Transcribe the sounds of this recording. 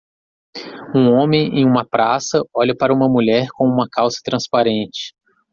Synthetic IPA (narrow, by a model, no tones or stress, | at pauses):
ũõmẽj̃ḛ̃j̃ũmɐpɾasɐɔʎɐpaɾɐũmɐmuʎɛɾkõw̃ũmɐkawsɐ̥t̪ɾɐ̃spaɾẽnt͡ʃɪ̥